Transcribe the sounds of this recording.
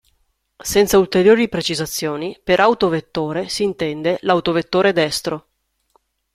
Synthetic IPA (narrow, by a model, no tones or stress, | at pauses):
sɛnt̪sault̪eɾjoːɾipɾet͡ʃizat̪sːjoːnipeɾʔawt̪ovet̪ːoːɾesiːnt̪ɛnd̪elawt̪ovet̪ːoːɾed̪ɛst̪ɾo